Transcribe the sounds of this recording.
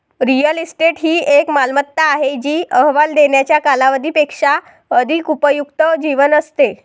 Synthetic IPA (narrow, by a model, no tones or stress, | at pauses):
ɾijəlisʈeʈɦiːʔekmalmət̪ːaːɦed͡ʑiːəɦʋald̪eɳjat͡ɕjakalaʋəd̪ʱiːpekʂa | əd̪ʱikupəjukt̪əd͡ʑiʋənəst̪e